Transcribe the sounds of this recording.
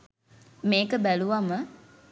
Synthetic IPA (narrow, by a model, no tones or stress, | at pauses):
meːkəbæluʋamə